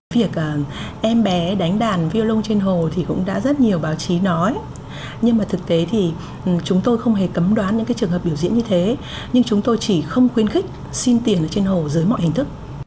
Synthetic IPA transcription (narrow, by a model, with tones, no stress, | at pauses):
vi˨˩ək̚ʔəː˨˩ʔɛ˧mɓɛ˨˦ɗa˨˦jŋ̟ɗaː˨˩nvi˧lʊ˧ŋ͡mt͡ɕe˧nɦo˨˩t̪ʰi˨˩kʊ̰˧˥ŋ͡mɗa̰ː˧˥zə˦˥t̚ɲi˨˩əwɓaː˨˦wt͡ɕi˨˦nɔ˨˦j | ɲɨ˧ŋmaː˨˩t̪ʰɨ˨˩k̚t̪e˨˦t̪ʰi˨˩˨ | t͡ɕʊ˨˦ŋ͡mt̪o˧jxə˧wŋ͡mɦe˨˩kə˨˦mɗwaː˨˦nɲɨ̰˧˥ŋkaː˨˦jt͡ɕɨ˨˩əŋɦə˨˩pɓi˧˩əwzḭ˧˥ənɲɨ˧t̪ʰe˨˦ | ɲɨ˧ŋt͡ɕʊ˨˦ŋ͡mt̪o˧jt͡ɕi˧˩xə˧wŋ͡mxwi˧˦ənxi˦˥k̟̚ | si˧nt̪i˨˩ənʔəː˧˩t͡ɕe˧nho˨˩zɨː˨˦jmɔ̰˧˨jhï˨˩ŋ̟t̪ʰɨ˦˥k̚